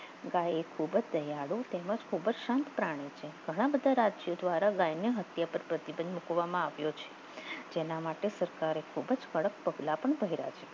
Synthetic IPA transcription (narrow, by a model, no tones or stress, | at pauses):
ɡajekʰubəd͡ʒd̪əjaɽũt̪eməd͡ʒkʰubəd͡ʒʃant̪pɾaɽ̃et͡ʃʰeɡʱəɽ̃abəd̪ʱaɾad͡ʒijod̪ʋaɾaɡajnjəɦət̪japəɾpɾət̪ibənd̪mukʋamãaʋjot͡ʃʰe̥ | d͡ʒenamaʈesəɾkaɾekʰubəd͡ʒkəɽək̚pəɡlapəɳbʱəɦiɾa̰t͡ʃʰe